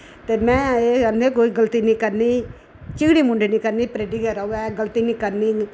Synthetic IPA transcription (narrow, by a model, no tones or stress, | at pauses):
t̪eːmɛ̃ːeənd̪eːkoːiːɡəlt̪iːnĩːkəɾniː | t͡ʃɪɡɽiːmʊɳɖʱenĩːkəɾniːpɾeːɖiːkɛːɾəuɛːɡəlt̪iːnĩːkəɾniː